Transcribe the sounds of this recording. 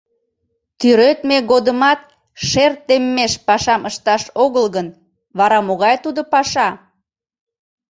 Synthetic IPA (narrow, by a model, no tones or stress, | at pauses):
t̪yɾøt̪meɣod̪əmɑt̪̚ | ʃert̪emːeʃpɑʃɑmʔəʃt̪ɑʃoɣəlɣən | βɑɾɑmoɣɑjt̪ud̪opɑʃɑ